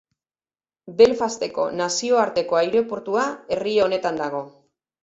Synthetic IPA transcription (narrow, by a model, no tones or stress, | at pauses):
be̞lfast̪e̞ko̞̰nasio̞aɾt̪e̞ko̞ajɾe̞poɾt̪uae̞rieone̞t̪and̪aɣ̞o̞